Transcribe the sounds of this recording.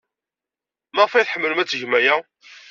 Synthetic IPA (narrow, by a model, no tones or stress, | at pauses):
mæʁfæjθħəmːələmæt͡sːʝmæjæ